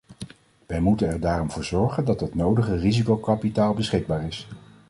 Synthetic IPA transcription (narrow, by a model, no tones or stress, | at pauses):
ʋɛjmutənɛɹdaːrɔmvʊːɹzɔɹχəndɑtɦətnowdəχərizikowkɑpitaːlˠbəsχɪɡ̚baːɹɪs